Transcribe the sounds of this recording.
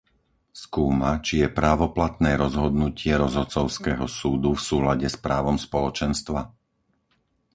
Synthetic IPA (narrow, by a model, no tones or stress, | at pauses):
skuːmat͡ʃijɛpɾaːʋɔplat̪nɛːɾɔzɦɔd̪nucɪɛɾɔzɦɔt͡sɔʊskɛːɦɔsuːd̪ufsuːlaɟɛspɾaːʋɔmspɔlɔt͡ʃɛnst̪ʋa